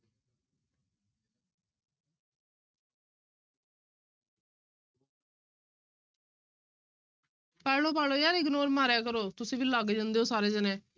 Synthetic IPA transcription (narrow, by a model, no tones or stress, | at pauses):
pɛːloːpɛːloːjaːɾiːɡnoːɾmaːɾaːkəɾoːt̪ʊsĩːbiːlaːɡd͡ʒãːnd̪eːoːsaːɾeːd͡ʒənẽː